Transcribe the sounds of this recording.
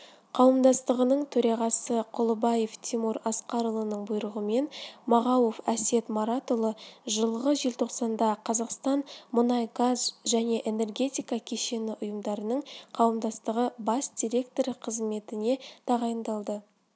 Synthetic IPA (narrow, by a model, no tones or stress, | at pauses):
qʰɑwəmd̪ɑst̪əʁənəɴt̪ʰɵɾɑʁɑsəqʰʊlˠəbɑje̞ft̪ʰimuɾɑsqɑɾəlˠənəɴbʊjɾəʁəme̞nmɑʁɑwo̞fæse̞t̪moɾat̪olˠəʒəlˠʁəʒe̞lt̪ʰo̞qsɑnd̪ɑqʰɑzɑqst̪ɑnmʊnɑjɡazʒæne̞ʔene̞rɡʲe̞t̪ʲijkɑkʲʰeʃe̞nɪʔʊjəmd̪ɑɾənəɴqʰɑwəmd̪ɑst̪əʁəbɑsd̪̥ʲiɾʲe̞k̚t̪o̞ɾqʰəzme̞t̪ɪne̞d̪̥ɑʁɑjənd̪ɑlˠd̪ə